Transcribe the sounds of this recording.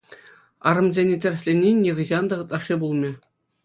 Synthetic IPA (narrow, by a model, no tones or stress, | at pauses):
ɑ̰ɾɤ̆mzʲenʲetʲɘ̆rʲɘ̆sʲlʲenʲːenʲːeʁɯ̆ʑɑnd̪ɑʁɯ̆t̪̚ʼlˠɑʂːibulˠmʲĕ